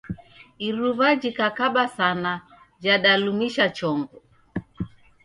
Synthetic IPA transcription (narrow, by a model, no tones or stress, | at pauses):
iɾuvad͡ʒikakaɓasana | d͡ʒaɗalumiʃat͡ʃɔŋɡɔ